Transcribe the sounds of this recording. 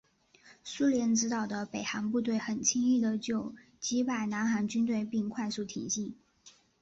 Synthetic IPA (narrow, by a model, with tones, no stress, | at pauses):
su˥ljɛ˧˥nʈ͡ʂɻ̩˧˥t̪ɑ˨˩ʊd̪ə˦pe˨˩ɪxa˧˥npu˥˧t̪we˥˩ɪxə˨˩nt͡ɕʰi˥ŋi˥˩d̪ə˩t͡ɕjo˥˩ʊ | t͡ɕi˧˥pa˥˩ɪna˧˥nxa˧˥nt͡ɕy˥nt̪̬we˥˧ɪpi˥˧ŋkʰwa˥˧ɪsu˥˩t̪ʰḭ˨˩ŋɕi˥˩ŋ